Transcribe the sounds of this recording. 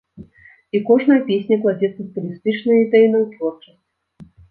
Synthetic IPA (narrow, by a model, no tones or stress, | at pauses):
ikɔʐnɐjɐpʲesʲnʲɐklˠad͡zʲɛt̪sɐsp̪ulʲist̪ɨt͡ʂnɐjid̪ɛjinɐwt̪vɔrt͡ʂɐsʲt͡sʲ